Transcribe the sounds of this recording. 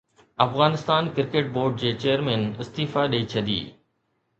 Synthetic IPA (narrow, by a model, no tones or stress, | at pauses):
ɐfɣaːnɪst̪aːnkɪɾkeːʈ̚boːɾɖ̚d͡ʑeːt͡ɕeːəɾmɛ̃ːnɪst̪iːfaɗiit͡ɕʰɐd̪ḭː